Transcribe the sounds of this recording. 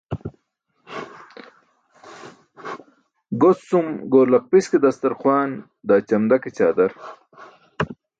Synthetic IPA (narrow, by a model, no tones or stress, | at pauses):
ɡot͡ssumɡoːlɐq̚pisked̪ɐst̪ɐɾχwaːn | d̪aːt͡ɕɐmd̪ɐket͡ɕaːd̪ɐɾ